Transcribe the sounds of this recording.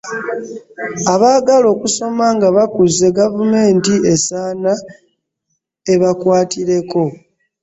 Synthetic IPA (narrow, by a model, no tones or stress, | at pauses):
aβaːɡalo̞ːkuso̞maŋɡaβakuze̞ɡavume̞ːntie̞saːna | e̞βakwaːtiɾe̞ko̞